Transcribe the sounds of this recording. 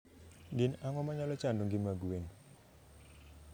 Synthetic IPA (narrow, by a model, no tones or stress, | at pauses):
ɡɪnaŋɔmaɲalɔt͡ʃandoŋɡɪmaɡweŋ